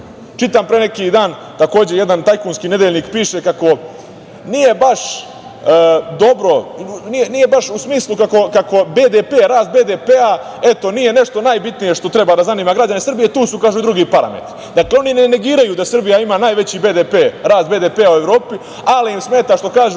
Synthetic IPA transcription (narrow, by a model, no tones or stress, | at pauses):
t͡ʃit̪ampɾenekid̪aːn | t̪ako̞ːd͡ʑeje̞d̪ant̪ajkuːnskine̞d̪eʎniːkpiːʃe̞kako̞ | nije̞baʂ | d̪o̞bɾo̞nienije̞baʃusmiːslˠukako̞kako̞be̞ːd̪epeːɾaːst̪̚be̞d̪epea | e̞t̪o̞nije̞ne̞ʂt̪onaːjbit̪nije̞ʂt̪ot̪ɾe̞bad̪azaniːmaɡɾad͡ʑanesr̩bije̞t̪uːsukaːʒuid̪ɾuɡipaɾa̰mḛt̪i̥d̪akleo̞nineneɡiːɾajud̪asr̩bijaimaːnaːjʋe̞t͡ɕibe̞ːd̪epeːɾaːsbe̞ːd̪eːpeːaue̞ʋɾo̞ːpi | aliimsmeːt̪aʃt̪o̞kaːʒu